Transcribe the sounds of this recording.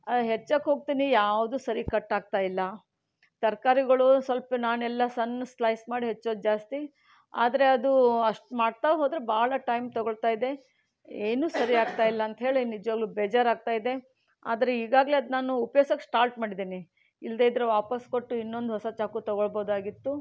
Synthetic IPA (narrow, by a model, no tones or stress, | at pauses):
ɐɦet͡ʃːakːɦo̞ːɡ̚t̪iːnijaːʋd̪uːsɐɾikɐʈːaːɡ̚t̪aːjilːɐ | t̪ɐɾkaːɾiɡɐɭusʋɐlpɐnaːnɛlːɐsɐnslɐjsmaːɽiɦet͡ʃːo̞ːd̪ud͡ʒaːst̪i | a̰ːd̪ɐɾe̞ɐd̪uɐʂʈmaːɽt̪aːʋeɦoːd̪ɾebaːɭɐʈɐjmt̪ɔɡoɭt̪aːjid̪e̞ | eːnuːsɐɾiaːɡt̪aːjilːɐːnt̪ɐɦe̞ːɭinid͡ʒʋaːɡlubed͡ʒɐɾaːɡ̚t̪aːjid̪e̞ | a̰ːd̪ɐɾe̞iːɡaːɡle̞ɐd̪naːnuːpɐjoːsɐkːsʈaːɾʈmaːɽid̪iːni | ild̪eid̪ɾeʋaːpɐskoʈːuinːo̞nd̪ɦɔsɐt͡ʃaːkut̪ɔɡoɭbo̞ːd̪aːɡit̪ːu